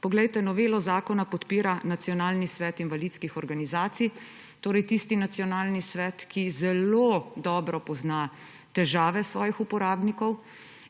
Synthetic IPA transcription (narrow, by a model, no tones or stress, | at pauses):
pɔɡlɛjt̪ɛnɔʋeːlɔzaːkɔnapɔt̪piːɾanat̪sijɔnaːlnisʋɛːt̪inʋalit̪skixɔɾɡanizaːt̪sij | t̪oːɾɛjt̪ist̪inat̪sijɔnaːlnisʋɛːt̪kʰizɛlod̪ɔːbɾɔpɔzna | t̪ɛʒaːʋɛsʋɔːjixupɔɾaːbnikɔw